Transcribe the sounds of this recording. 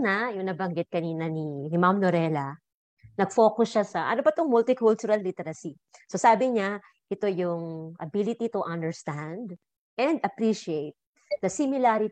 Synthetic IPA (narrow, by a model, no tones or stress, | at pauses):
najʊŋnɐbɐŋɡɪt̪̚kɐniːnɐninɪmamnoɾɛlɐ | nɐɡ̥fo̞ːkʊsʃasɐʔɐ̰nobɐt̪oŋmʊlt̪ɪkʊlt͡ʃʊɾɐllɪt̪ɛɾɐsi | sosaːbɪɲa | ʔɛt̪o̞jʊŋʔɐ̰bilɪt̪it̪uʔɐ̃nd̪ɛɹst̪and̪ | ɛ̃nd̪ɐpɾiʃiejt̪̚ | nɐsɪmɪlaɾi